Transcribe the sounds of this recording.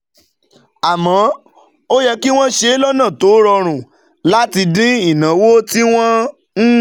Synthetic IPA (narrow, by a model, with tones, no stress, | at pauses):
a˨mɔ̃˨˦ | o˦jɛ˧ki˦w̃ɔ̃˦ʃe˧˦lɔ˦nã˦˨to˨˦ɾɔ˧ɾ̃ũ˨ | la˦ti˧dĩ˦i˦˨nã˨˦wo˦ti˦w̃ɔ̃˦ | n̩˦